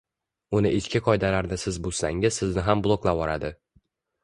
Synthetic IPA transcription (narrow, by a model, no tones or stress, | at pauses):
ʊnɪʔɪt͡ʃkʲɪqʰɒjd̪alaɾnɪsɪzbʊsla̰ŋɪzsɪznɪɦamblˠoklˠabɒɾad̪ɪ